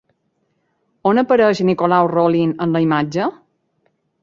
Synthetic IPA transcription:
onəpəɾəʒnikolawrolinənləimad͡ʒə

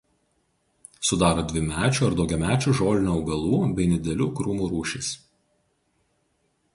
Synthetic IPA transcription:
sʊd̪ɑːɾɐd̪ʲʋʲɪmʲæːt͡ʃʲuɐɾd̪ɒʊɡʲɛmʲæːt͡ʃʲuːʒoːlʲɪnʲuɐʊɡɐlˠuːbʲɛɪnʲɪd̪ʲɛlʲuːkɾʊmuːɾuːʃʲɪs

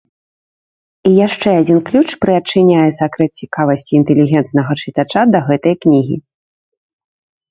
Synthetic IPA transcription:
ijaʂt͡ʂɛad͡zʲinklʲut͡ʂpɾɨɐt͡ʂːɨnʲajɛsakɾɛt̪̚t͡sʲikavɐsʲt͡sʲiːnt̪ɛlʲiɣʲɛnt̪nɐɣɐt͡ʂɨt̪at͡ʂad̪ɐɣɛt̪ɐjknʲiɣʲḭ

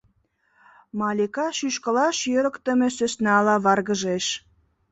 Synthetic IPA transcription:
mɑlʲekɑʃyʃkəlɑʃjøɾəkt̪ə̆mesøsnɑlɑβɑrɣəʒeʃ

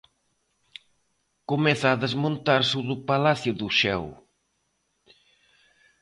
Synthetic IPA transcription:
komɛθaːðezmõnt̪aɾsuðʊpalaθjʊðʊʃɛ̰w

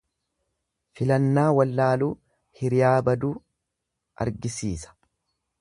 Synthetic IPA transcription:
fɪlɐnːaːwɐlːaːluː | hɪɾɪjaːbɐd̪uː | ʔɐ̰ɾɡɪsiːsɐ̥

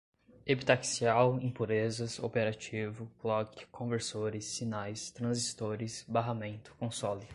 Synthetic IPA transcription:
epit̪aksiawẽpuɾezɐso̰peɾat͡ʃivʊklɔkɪ̥kʰõveɾsoɾɪsːinajst̪ɾɐ̃zist̪oɾɪsbaɦamẽnt̪ʊ̥kõsɔlɪ

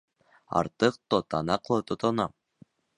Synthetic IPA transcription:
ɑ̰ɾt̪ɤq̚t̪ot̪ɑnɑqlˠɤt̪ŏt̪ŏnɑ

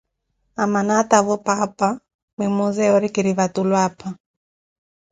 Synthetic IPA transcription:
amanataβɔpapa | mɛmuzɛɔɾikiɾiβatulwapʰa

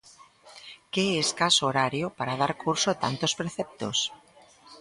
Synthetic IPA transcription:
keeskasooɾaɾjopaɾað̞aɾkuɾsot̪a̰nt̪ospɾeθɛp̚t̪o̰s

